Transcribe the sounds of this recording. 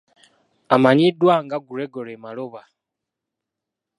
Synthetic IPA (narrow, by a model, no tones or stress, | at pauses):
amaɲidwaːŋɡaɡuɾeɡoɾemaloβa